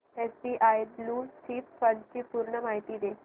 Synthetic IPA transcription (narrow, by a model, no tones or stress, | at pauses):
espiʔajbluːɾsipfənɖt͡ɕiːpuɾɳəmaɦit̪iːd̪e